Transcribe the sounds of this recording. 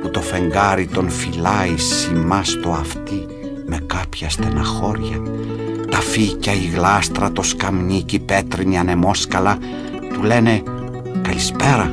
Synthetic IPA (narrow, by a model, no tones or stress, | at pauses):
put̪o̞fe̞ŋɡɐɾit̪o̞nfilɐisimɐst̪o̞ɐft̪i | me̞kɐpçɐst̪enɐxo̞ɾʝɐ̰ | t̪ɐficɐiɣlɐst̪ɾɐt̪o̞skɐmɲicipe̞t̪ɾiniɐne̞mo̞skɐlɐ | t̪ule̞ne̞ | kɐlispe̞ɾɐ